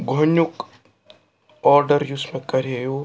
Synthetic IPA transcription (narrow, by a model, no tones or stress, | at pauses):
ɡʱonjuk | ɔːɾɖəɾjʊsmẽkɐɾejo